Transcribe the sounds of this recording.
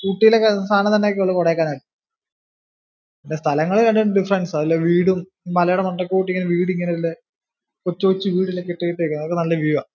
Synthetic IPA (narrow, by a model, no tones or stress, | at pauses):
kuʈːijilekɐst̪ʰaːnɐt̪ɐnːeokːeoɭːɐkoɽɐkːaːnaːɽɨ | indest̪ʰɐlɐŋːɐɭikɐɳɖɨɳɖɨɖifɐɾensɐðilːoːʋiːɽum | mɐlɐjuɽɐmɐnrɐkːekuːʈːiŋːɐneʋiːɽiŋːɐneilːe | kot͡ɕːoːt͡ɕːɨʋiːɽilːekːeʈːeiʈːekːunːɐðokːenɐlːɐʋjuʋɐ